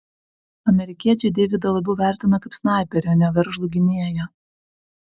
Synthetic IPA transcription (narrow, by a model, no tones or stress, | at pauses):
ɐmʲɛɾʲɪkʲiɛt͡ʃʲɛɪd̪ʲɛːʋʲɪd̪ɐlˠɐbʲɛʊʋʲæˑɾʲt̪ʲɪnɐkɐɪpsnɑˑɪpʲɛɾʲoːnʲɛʋʲɛɾʒlˠʊɡʲɪnʲiɛjɛ